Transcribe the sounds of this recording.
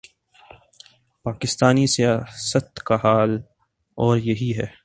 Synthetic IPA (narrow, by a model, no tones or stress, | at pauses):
paːkɪst̪aːnisijaːsət̪kaɦaːl | ɔːɾjɐɦiɦɛː